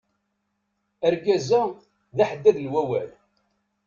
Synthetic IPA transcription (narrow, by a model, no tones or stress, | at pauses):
əɾɡæzæ | ðaħəd̪ːæðlwæwæl